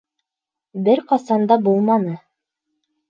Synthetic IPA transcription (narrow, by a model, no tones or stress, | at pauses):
bɘɾqɑsɑnd̪ɑbulˠmɑnɤ